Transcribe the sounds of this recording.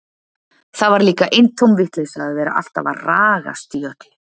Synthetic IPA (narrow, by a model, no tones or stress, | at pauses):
θaðvaɾliːkaʔejnt̪ʰowmvɪht̪lesaaðvɛːɾa̰ʔa̰l̥t̪a̰va̰raːɣa̰st̪iœt̪lɪ